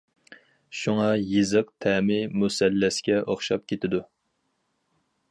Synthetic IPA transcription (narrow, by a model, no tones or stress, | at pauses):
ʃuŋɑjɨzɨqt̪ʰɛːmɪmusɛlːɛskʲɛʔoχʃɑp̚kʲʰet̪ʰɪd̪u